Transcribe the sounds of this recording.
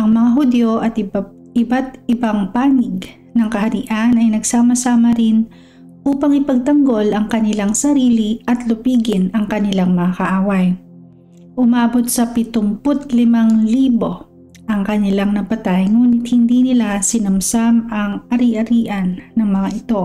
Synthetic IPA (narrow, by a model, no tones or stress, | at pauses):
ʔɐŋmɐŋaɦʊd̪joʔɐt̪ɪb | ɪbat̪ɪbaŋpaːnɪɡ̚ | nɐŋkɐhɐɾiʔanɐjnɐɡsaːmɐsaːmɐɾɪn | ʔuːpɐŋʔɪpɐɡ̚t̪ɐŋɡo̞lɐŋkɐnɪlaŋsɐɾiːliʔɐt̪lʊpiːɡɪnɐŋkɐnɪlaŋmɐŋɐkɐʔaːwaj | ʔʊmaːbo̞t̪̚sɐpɪt̪ʊmpot̪̚lɪmaŋliːbo̞ | ʔɐŋkɐnɪlaŋnɐpɐt̪ajŋuːnɪt̪̚hɪnd̪inɪlasɪnɐmsamɐŋʔɐɾiʔɐɾiːʔɐnːɐŋmɐŋaʔɪt̪o̞